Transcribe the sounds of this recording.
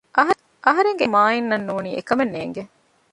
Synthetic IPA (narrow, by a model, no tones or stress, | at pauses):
ʔɐɦɐ | ʔɐɦɐɾeŋɡemaːinːɐnːuːniːʔekɐmenːḛːŋɡe